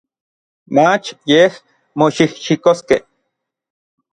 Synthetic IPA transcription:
mat͡ʃjeh | moʃihʃikoskeh

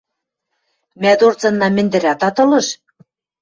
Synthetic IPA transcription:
mæd̪ort͡sɤ̆nːɑmɘ̆nd̪ɘ̆ɾæt̪ɑt̪ɤ̆lɤ̆ʃ

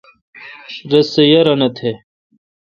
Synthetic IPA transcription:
ɾɐsejɐɾɐnɐt̪ʰe

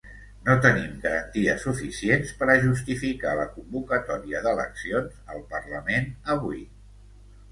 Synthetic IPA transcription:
not̪ənimɡəɾənt̪iəsufisienspəɾəʒust̪ifika̰ləkumbukət̪ɔɾiəðələ̰ksionzəlˠpərləmenəβui

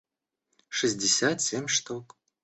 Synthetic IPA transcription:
ʂɨzʲdʲɪsʲat̪sʲemʲʂt̪ok

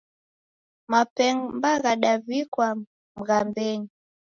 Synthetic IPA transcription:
mapɛŋmbaɣaɗavikwa | m̩ɣambɛɲi

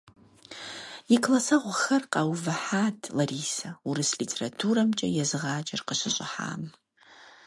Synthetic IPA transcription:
jikʰlasɐʁʷʊxɐrqɑwvɨħaːtʰlɐriːsɐuɾɨslitʰeratʰuɾɐmt͡ʃʼɐjɛzɨʁaːd͡ʒʼɐrqəɕɐɕʼɪ̰ħa̰ːm

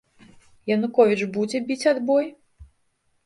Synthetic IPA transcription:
jɐnukɔvʲit͡ʂbud͡zʲɛbʲit͡sʲad̪bɔj

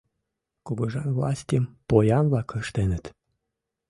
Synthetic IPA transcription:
koɣoʒɑnvlɑ̰sʲt̪ʲempojɑnβlɑkəʃt̪enət̪

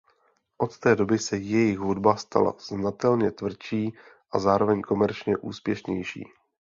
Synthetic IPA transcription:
ʔo̞t̪t̪ɛːdo̞bɪsɛjɛjɪxɦudbast̪ʰa̰la̰znat̪ɛlɲɛt̪vr̩t͡ʃiː | ʔazaːɾo̞vɛɲko̞mɛɾt͡ʃɲɛʔuːspjɛʃɲɛjʃḭː

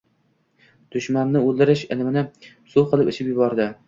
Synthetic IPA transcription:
d̪̥ʊʃmannɪolˠd̪ɪɾɪʃɪ̰lɪmɪnɪ | suwqʰɨlˠɪpɪʃɪpjʊbɒɾd̪ɪ

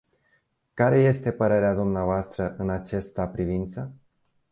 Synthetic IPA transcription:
kaɾe̞je̞st̪e̞pəɾe̞ɾead̪umneavoast̪ɾəʔɨnat͡ʃest̪apɾivint̪sə

